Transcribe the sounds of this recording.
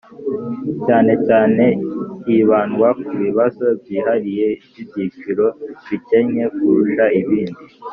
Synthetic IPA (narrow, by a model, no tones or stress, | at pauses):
caːne̞caːne̞iβaːnɡwakuβiβazo̞bjiːɦaɾije̞bjibɟiːt͡ʃiɾo̞βice̞ɲe̞kuɾuʃaiβiːndi